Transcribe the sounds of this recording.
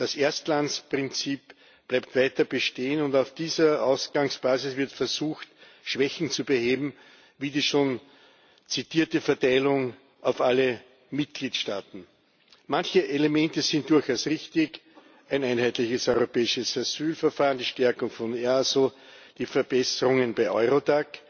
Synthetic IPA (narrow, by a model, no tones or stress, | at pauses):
d̥aseɐstlant͡spʁ̥ɪnt͡siːp | b̥læɪp̚tvæɪtɐb̥əʃteːənʊndaʊfd̥iːzɐʔaʊsɡ̥aŋsb̥aːzɪsv̥ɪɐtfɛɐzuːxt | ʃv̥ɛçn̩t͡subəheːbm̩ | viːdiːʃoːn | t͡sitiːɐtəfɛɐtaɪlʊŋ | ʔaʊfalə | mɪt̚ɡ̥liːtʃtaːtn̩ | mãnçəʔelemɛntəzɪ̃nt̚d̥ʊɐçɑʊsʁɪçtɪç | ʔæɪnæɪnɦæɪtlɪçəsɔʏʁopɛːɪʃəsazyːlfɛɐfaːʁənd̥iːʃtɛɐkʊŋfɔnɛsod̥iːfɛɐb̥ɛsəʁʊŋənbæɪʔɔ̰ʏʁodak